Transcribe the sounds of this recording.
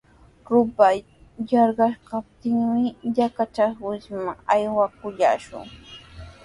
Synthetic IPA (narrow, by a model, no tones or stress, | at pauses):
ɾʊpaj | jɑɾɢɑʃkap̚t̪ɪŋmɪʎakat͡ʃaχwɪsmaŋajwakʊʎa̰ːʃʊ̰ŋ